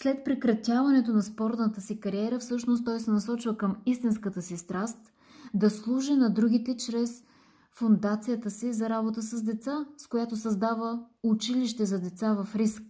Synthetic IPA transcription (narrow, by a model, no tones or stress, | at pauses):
slɛt̪̚pɾɛkɾɐt̪ʲavɐnɛt̪onɐspɔɾt̪nət̪əsikɐɾiɛɾəfsɤʃnost̪t̪ɔjsɛnɐsɔt͡ʃvəkəmist̪inskət̪əsist̪ɾast̪ | d̪ɐslˠuʒinɐd̪ɾuɡ̟it̪ɛt͡ʃɾɛs | fʊnd̪at̪sijət̪əsizɐɾabot̪əsəzd̪ɛt̪saskojat̪osɐzd̪avəʊt͡ʃiliʃt̪ɛzɐd̪ɛt̪savɐfɾisk̚